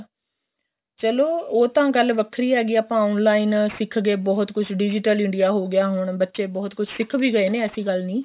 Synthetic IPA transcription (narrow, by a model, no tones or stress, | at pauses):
t͡ʃəloːoːt̪ãːɡəlʋəkʰɾiːɦɛːɡiːaːpãːɔːnlaːɪnsɪkʰɡeːbɔːt̪kʊt͡ʃʰɖɪd͡ʒɪʈəlɪ̃ɳɖɪjaːɦoːɡɪjaːɦʊɳbətːʃeːbɔːt̪kʊt͡ʃʰsɪkʰʋiːɡəeːnẽːəsĩːɡəlnĩː